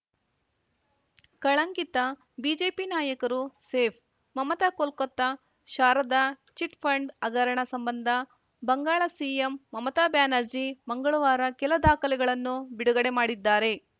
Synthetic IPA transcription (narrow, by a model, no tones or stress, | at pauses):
kɐɭɐŋkit̪ɐ | biːd͡ʒe̞ːpinaːjɐkɐɾuseːpʰ | mɐmɐt̪aːkolkot̪ːɐ | ʃaːɾɐd̪ɐ | t͡ʃiʈpʰɐɳɖɐɡɐɾɐɳɐsɐmbɐnd̪ʱɐ | bɐŋɡaːɭɐsiemːɐmɐt̪aːbjaːnɐɾd͡ʒimɐŋɡɐɭuʋaːɾɐkɛlɐd̪aːkɐlɛɡɐɭɐnːubiɽuɡɐɽe̞maːɽid̪ːaːɾe̞